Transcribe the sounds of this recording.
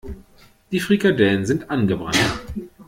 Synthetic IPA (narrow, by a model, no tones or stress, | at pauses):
d̥iːfʁ̥iɡadɛlənzɪntʔanɡəbʁa̰nt